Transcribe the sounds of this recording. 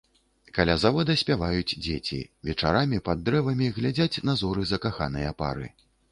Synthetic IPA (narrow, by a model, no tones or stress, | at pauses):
kalʲazavɔd̪ɐsʲpʲavajud͡zʲd͡zʲet͡sʲḭvʲɛt͡ʂa̰ɾamʲipɐd̪ːɾɛvɐmʲiɣlʲad͡zʲat͡sʲnazɔɾɨzɐkaxa̰nɨjɐpa̰ɾɨ̰